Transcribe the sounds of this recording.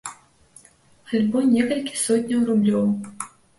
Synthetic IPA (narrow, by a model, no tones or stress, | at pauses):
xalʲbɔnʲɛkɐlʲkʲi̥sɔtʲnʲɐwrublʲɔw